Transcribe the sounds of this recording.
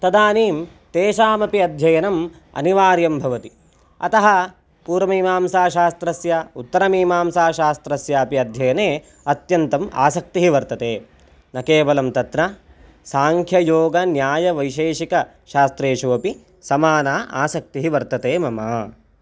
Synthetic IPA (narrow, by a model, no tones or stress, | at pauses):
t̪ɐd̪aːniːm | t̪eːʃaːmɐpiɐd̪ʱjɐjɐnɐm | ɐ̰niʋaːɾjɐmbʱɐʋɐt̪i | ɐt̪ɐɦɐ | puːɾɐmiːmaːmsaːʃaːst̪ɾɐsjaut̪ːɐɾɐmiːmaːmsaːʃaːst̪ɾɐsjaːpiɐd̪ʱjɐjɐneː | ɐt̪jɐnt̪ɐma̰ːsɐk̚t̪iɦiʋɐɾt̪ɐt̪eː | nɐkeːʋɐlɐmt̪ɐt̪nɐ | saːŋkʰjɐjoːɡɐnjaːjɐʋɐjʃeːʃikɐ | ʃaːst̪ɾeːʃoʋɐpi | sɐmaːnaːʔaːsɐk̚t̪iɦiʋɐɾt̪ɐt̪eːmɐmaː